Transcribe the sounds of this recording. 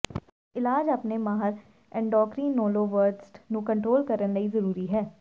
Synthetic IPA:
ɪlaːd͡ʒapneːmaːɦəɾ | ɛ̃ɳɖɔːkɾiːnoːloːʋəɾʈsʈnũːkəɳʈɾoːlkəɾənləiːzəɾuːɾiːɦɛː

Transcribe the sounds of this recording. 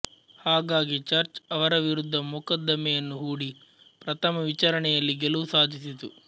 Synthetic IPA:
haːɡaːɡit͡ʃɐɾt͡ʃɐʋɐɾɐʋiɾud̪ʱːɐmukɐd̪ːɐmɛjɐnːuɦuːɽi | pɾɐt̪ʰɐmɐʋit͡ʃaːɾɐɳɛjɐlːiɡeluʋusaːd̪ʱisit̪u

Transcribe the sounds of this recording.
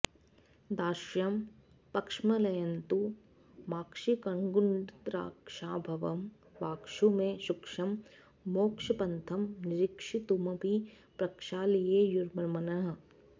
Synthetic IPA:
d̪aːʃjɐm | pɐkʂmɐlɐjɐnt̪u | maːkʂikɐŋɡuɳɖt̪ɾa̰ːkʂaːbʱɐʋɐm | ʋaːkʃumẽʃukʃɐmː | oːkʃɐpɐnt̪ʰɐmnɪɾɪkʂit̪umɐbʱi | pɾɐkʃaːlieːjuɾmɐɾmɐnɐɦɐ̆

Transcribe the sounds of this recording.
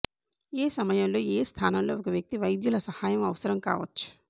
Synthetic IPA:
eːsɐmɐjɐmlo̞ːeːst̪ʰaːnɐmloːɔkɐʋjɐk̚t̪iʋɐjd̪julɐsɐhaːjɐmɐʋɐsɐɾɐmka̰ːʋɐt͡ʃːu̥

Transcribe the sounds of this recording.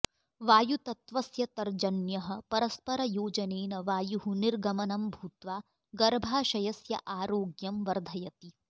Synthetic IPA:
ʋaːjut̪ɐt̪ʋɐsjɐt̪ɐɾd͡ʒɐnjɐɦɐ̆pɐɾɐspɐɾɐjoːd͡ʒɐneːnɐʋaːjuɦuniɾɡɐmɐnɐmbʱuːt̪ʋaː | ɡɐɾbʱaːʃɐjɐsjɐ̰ʔaːɾoːɡjɐmʋɐɾd̪ʱɐjɐt̪i

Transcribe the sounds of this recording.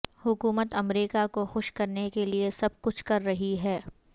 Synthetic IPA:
hʊkuːmət̪ɐmɾiːkakoxʊʃkɐɾnekeliesɐb̚kʊt͡ʃʰkɐɾːɐɦiɦɛː

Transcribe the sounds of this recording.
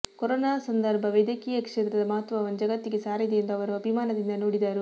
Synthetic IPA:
kɔɾoːnaːsɐnd̪ɐɾbʱɐʋed̪jɐkiːjɐkʂet̪ɾɐd̪ɐmɐɦɐt̪ːʋɐʋɐnud͡ʒɐɡɐt̪ːiɡesaːɾid̪eend̪ɐʋɐɾuɐbʱimaːnɐd̪ind̪ɐnoːɽid̪aːɾu

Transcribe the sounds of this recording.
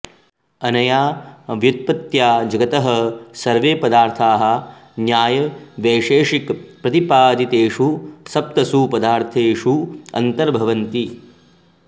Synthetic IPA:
ɐnɐjaːʋjut̪̚pɐt̪jaːd͡ʒɐɡɐt̪ɐɦɐsɐɾʋeːpɐd̪aːɾt̪ʰaːɦɐ̆njaːjɐʋeːʂeːʂikpɾɐt̪ipaːd̪it̪eːʂusɐp̚t̪ɐsupɐd̪aːɾt̪ʰeːʂuɐ̰nt̪ɐɾbʱɐʋɐnt̪i

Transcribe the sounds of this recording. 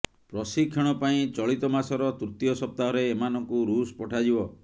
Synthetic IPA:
pɾɔsikʰjɔɽ̃ɔpaĩt͡ʃɔɭit̪ɔmasɔɾɔt̪uɾt̪ijɔsɔp̚t̪aɦɔɾeːmanɔŋkuɾuspɔʈʰad͡ʒibɔ

